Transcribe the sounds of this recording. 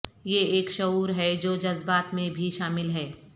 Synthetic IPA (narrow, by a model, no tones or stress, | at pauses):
jeeːkʃɐɦuːɾɦɛd͡ʒoːd͡ʒɐzbaːt̪mẽbʱiʃaːmɪlɦɛː